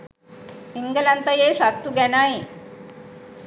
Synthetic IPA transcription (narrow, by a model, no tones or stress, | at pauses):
iŋɡəlant̪əjesak̚t̪uɡɛnai